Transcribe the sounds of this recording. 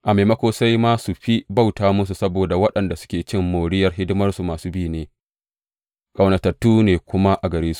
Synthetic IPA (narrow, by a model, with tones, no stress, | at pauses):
ʔa˨meː˨mɐ˦kʷoː˦sa˦jma˦su˨ɸi˦ba˦˨wtaː˨mʊ˦s̬u˨sɐ˦boː˨da˨wɐ˦ɗɐ˨nda˨sʊ̥˦kʲeː˨t͡ʃɪ˦mːoː˨ɽɪ˦jɐ˨rɦɪ˦dʊ˦mɐ˦rsu˨maː˨suː˦bi˦˨neː˨ | kʼɐ˨wnɐ˨tɐ˨tːuː˦neː˨kʷʊ˦ma˦ʔa˨ɡɐ˨ɾeː˦su̥˨ʔ